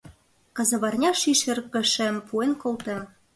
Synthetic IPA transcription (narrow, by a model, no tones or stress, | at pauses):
kɑzɤ̆βɑrnʲɑʃiʃĕrkə̆ʃĕmpʰuenkolt̪ĕ